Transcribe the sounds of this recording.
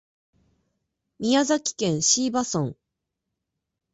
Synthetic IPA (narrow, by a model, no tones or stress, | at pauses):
mʲiazakʲi̥kẽ̞ɰ̃ɕiːbasõŋ